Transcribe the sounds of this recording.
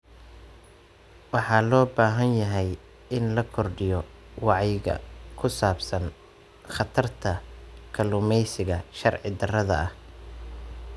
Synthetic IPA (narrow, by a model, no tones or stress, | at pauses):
wɑħɑːlɔːbaːɦɐnjɐɦɛj | ɪnlɐkʰɔrɖɪjɔ | wɑʕɑjɣɐ̰kʰʊsaːbsɐn | χɑt̪ʰɐrt̪ʰɐkʰɐlʊmɛjsɪɣɐʃɐrʕɪ̰d̪ɐrɐðɐ̰ɐh